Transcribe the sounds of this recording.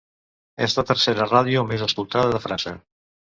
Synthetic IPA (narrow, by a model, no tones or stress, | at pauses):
ɛ̰zt̪ət̪əɾseɾəraðiomezəskulˠt̪aðəðəfɾansə̰